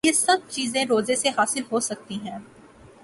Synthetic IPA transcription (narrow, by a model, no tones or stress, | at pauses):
jesɐb̚t͡ʃiːzẽɾoːzeseɦaːsɪlɦosɐk̚t̪iɦɛ̃ː